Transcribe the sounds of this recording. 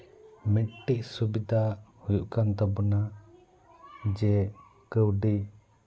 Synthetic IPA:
mɛt̪̚ʈiʔ̚subid̪ahujuʔkant̪ɔbɔna | d͡ʒɛ | kəwɖi

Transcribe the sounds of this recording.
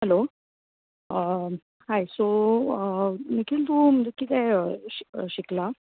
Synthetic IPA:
hɛlo | ə | hajso | nikiːlt̪um̤əɳd͡zekit̪ɛəɕɕikla

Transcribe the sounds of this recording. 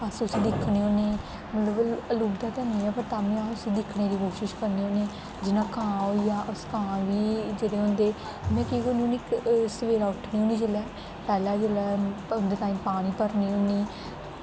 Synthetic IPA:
əsʊsĩːd̪ɪkʰːɽeːɦõːneː | mət̪ləbəluːbd̪aːt̪ɛːniːɛːpəɾt̪aːmẽːaʊsiːd̪ɪkʰːɽeːɾiːkoːʃɪʃkəɾneːõːneː | d͡ʒɪnãːkãːojaːʔʊskãːʋiːd͡ʒeːɽeːɦõnd̪eː | mɛ̃ːkiːɡonĩniksəʋeːɾaːʊʈʰniːoniːd͡ʒeːlɛː | pɛːlɛːd͡ʒeːlɛːʊnd̪eːt̪aːĩːmpaːɽ̃iːpəɾniːɦʊniː

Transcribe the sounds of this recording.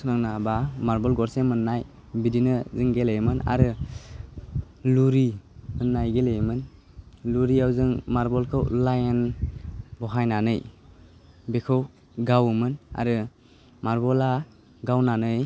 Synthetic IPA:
snaŋnabamaɾbɔlɡɔɾsemɯnːaj | bidinɯzɯŋɡelejmɯna̰ɾɯ | luɾimɯnːajɡelejmɯn | luɾiawzɯŋmaɾbɔlkʰɯwlajen | bɔɦajnanɯj | bekʰɯw | ɡawmɯna̰ɾɯ | maɾbɔla | ɡawnanɯj

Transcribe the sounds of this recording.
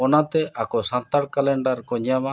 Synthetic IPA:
ɔnat̪ɛʔakɔsãnt̪aɽkalɛɳɖaɾkɔɲjama

